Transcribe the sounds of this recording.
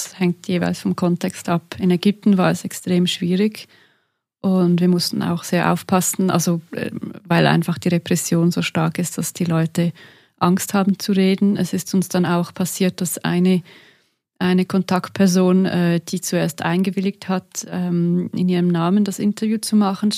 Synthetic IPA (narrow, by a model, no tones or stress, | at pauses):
shɛŋtʰjeːva̰ɪlsfɔmkʰɔntʰɛkstʔapɪnɛɡʏp̚tn̩vaːɐɛsɛkstʁ̥eːmʃv̥iːʁɪç | ʔʊndviːɐmʊstnn̩a̰ʊxz̥eːɐʔa̰ʊfpʰasn̩ʔa̰lz̥oɛ̰vaɪlʔa̰ɪnfaχd̥iːʁepʁ̥ɛsjoːnzoːʃtaɐkɪst̚d̥asd̥iːlɔʏtə | ʔaŋsthaːbn̩t͡suʁeːdn̩ɛsɪstʊnsd̥anaʊxpʰasiːɐt̚d̥asa̰ɪnə | ʔaɪnəkʰɔntʰakt̚pʰɛɐzoːnɛːd̥iːt͡sueːɐstʔa̰ɪnɡəvɪlɪk̚thatɛːmɪ̰niːʁəmnaːməndasɪntɐvjuːt͡sumaχn̩